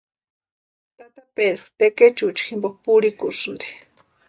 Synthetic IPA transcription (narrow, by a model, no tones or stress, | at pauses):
t̪at̪aped̪ɾot̪eket͡ʃut͡ʃximbok̚puɾikusnd̪e̥